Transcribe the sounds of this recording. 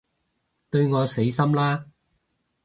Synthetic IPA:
t̪ɵ˧ɥŋɔː˨˧se˨˥jsɐ˥mlaː˥

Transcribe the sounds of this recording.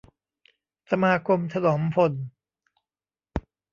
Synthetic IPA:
sa˧maː˧kʰo˧mt̪ʰa˧lɔː˩˦mpʰo˧n

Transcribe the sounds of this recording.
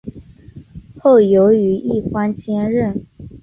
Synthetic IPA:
xo˥˩ʊjo˧˥ʊy˧˥i˥˩xwa˥nt͡ɕjɛ˥nɻə˥˩n

